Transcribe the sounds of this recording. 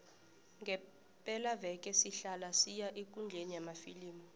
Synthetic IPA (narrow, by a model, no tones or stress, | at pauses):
ŋɡʱɛ | pʼɛlavɛkʼɛsiɬalasijaʔekʼund͡ɮʱenijamafiliːmɔ